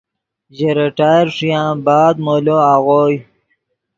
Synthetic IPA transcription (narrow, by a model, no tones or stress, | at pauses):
ʑeɾeʈaːjɾʂijãːbaːd̪̚moloaɣoːj